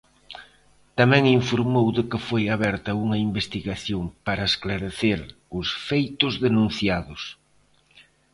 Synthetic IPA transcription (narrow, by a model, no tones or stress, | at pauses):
t̪amɛ̃ŋiɱfoɾmowðɪkɪfojaβɛɾt̪ɐuŋɐimbest̪iɣaθjoŋpaɾɐesklaɾeθeɾ | ʊsfejt̪ʊzðenũn̟θjaðʊs